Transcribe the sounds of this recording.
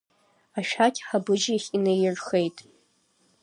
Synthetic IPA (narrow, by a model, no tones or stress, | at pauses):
aʃᶣakʲʼħabɨd͡ʒiχʲinejɪrχejtʼ